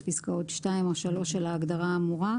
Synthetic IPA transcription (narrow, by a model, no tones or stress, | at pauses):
piskao̞tʃtaimoʃalo̞ʃelaːɡdaʁaːmuʁa